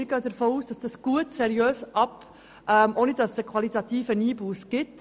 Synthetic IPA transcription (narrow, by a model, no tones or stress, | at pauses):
ɾɡœːdəɾfoːuːsd̥ɑsd̥ɑːsɡ̥uətsɛɾiøːsʔɑp | ʔɛmʔoːnid̥ɑsəkʰv̥ɑlitɑtiːfəniːbuːsɡ̥ɪt